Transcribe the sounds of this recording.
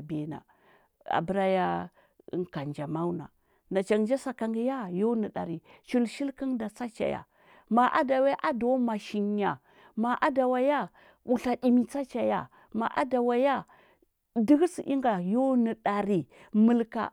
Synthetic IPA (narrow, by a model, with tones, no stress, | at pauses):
be˨na̰˨ | a̰˨bə˨˦ɾa˦ja̰˦˨˦ | ŋka˨nd͡ʒa˨ma˦wna̰˨ | na˨t͡ʃa˨ŋd͡ʒa˦sa˨ka˨ŋɡi˦ja˦jo˦nə˨ɗa˨ɾi˨t͡ʃi˦lʃi˦lki˦nda˨t͡sa˦t͡ʃa̰˨ja̰˨ | ma˨ʔa̰˦da˨we˦ʔa˦do˦ma˨ʃi˨ɲja˨ | ma˨ʔa˦da˨wa˨ja˦ | u˨ɬa˨ɗi˨mi˨t͡sa˦t͡ʃa˨ja̰˨ | ma˨ʔa̰˦da˨wa˨ja˦ | di˦ɡsi˨ʔi˦ŋɡa˨jo˦nə˨ɗa˨ɾi˨ | mə˦˨lka̰˨